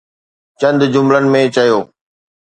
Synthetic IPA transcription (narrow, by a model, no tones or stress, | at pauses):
t͡ɕɐ̃nd̪d͡ʑʊmlənɪ̆mẽt͡ɕɐjoː